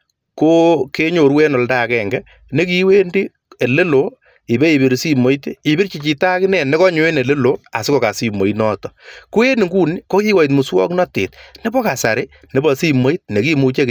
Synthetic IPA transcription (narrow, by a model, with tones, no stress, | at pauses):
ko˦ke˦ɲo˨ɾwe˦nɔ˨lda˦˨kɛ˨ŋɡɛ˦ | ne˦ki˦we˦ndi˦ | e˨le˦lo˨ | i˨be˦i˨bi˨ɾsi˦mo˨˦jte˦i˨bi˦ɾt͡ʃi˨t͡ʃi˨ta˦kɪ˦nɛ˨ne˦kɔ˦ɲʊ˦e˦ne˨le˦lo˦a̰˨sɪ˦kɔ˨ka˨si˨mo˨inɔ˦tɔ˨ku˦e˦ni˨ŋɡu˦ni˦kɔ˦ki˦wa˨i˨t̬mu˨swɔ̰˦knɔ˦tḛ˨tne˦bɔ˦ka˨sa˨ɾe˦ | ne˨bɔ˨si˦mo˦i˦t̚ne˨ki˦mu˨t͡ʃe˦k